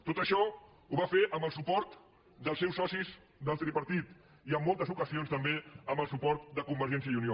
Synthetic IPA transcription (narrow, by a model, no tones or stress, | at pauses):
t̪ot̪əʃɔ | uβafeʔəmbəlˠsupɔɾt̪ | d̪əlˠsɛwsɔsiz | d̪əlˠt̪ɾipəɾt̪it̪ | iəmːolˠt̪əzukəzionst̪əmbeəmbəlˠsupɔɾt̪̚d̪əkumbəɾʒɛns̬iəiunio